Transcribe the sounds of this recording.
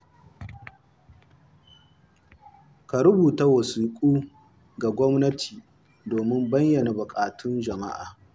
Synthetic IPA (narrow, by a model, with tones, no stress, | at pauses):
ka˨ɾʊ˦buː˨ta˦wɐ˨siː˨kʷʼuː˦ | ɡa˨ɡʷɔ˦mnɐ˦tʰiː˨ | doː˨mɪ˦mbɐ˦ɲjɐ˨na˨bʊ˨kʼaː˨tʊ˦nd͡ʒɐ˨ma̰˦ʔa̰ː˨